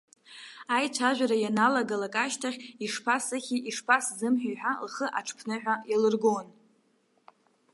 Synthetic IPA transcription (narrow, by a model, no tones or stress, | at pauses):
ajt͡ʃʷʰaʒᶣʷaɾajanalaɡalakʼaʃtʰaχʲiʂpʰasaχʲiʔiʂpʰaszɨmħᶣijħʷᶣalχəʔaʈ͡ʂʰpʰnɨħᶣʷajalɨrɡon